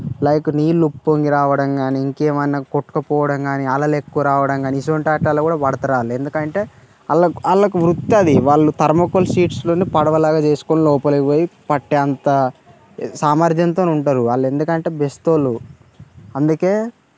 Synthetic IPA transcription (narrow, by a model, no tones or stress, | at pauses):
lɐjkuniːlːupːoŋɡiɾaːʋɐɽɐŋɡaːniːŋkeːmɐjnɐkoʈːu̥kɐpɔːʋɐɽɐŋɡaːniɐlɐlekːuʋɐɾaːʋɐɽɐŋɡaːniisoɳʈaːʈːaːlokuːɽaːpɐɽɐt̪ɐɾaːlie̞nd̪ukɐɳʈe̞ː | ɐ̰lːɐɐlːɐkuʋɾut̪ːɐd̪iʋaːɭːut̪ɐɾmɐkolsiːʈslo̞ːnipɐɽɐʋɐlaːɡaːt͡ʃe̞ːsu̥konilɔːpɐlɐkiʋoːjipɐʈːeɐnt̪ɐ | saːmɐɾd̪jɐnt̪oːnuɳʈaːɾuaɭːe̞nd̪ukɐɳʈe̞ːbest̪oːlu | ɐnd̪uke̞ː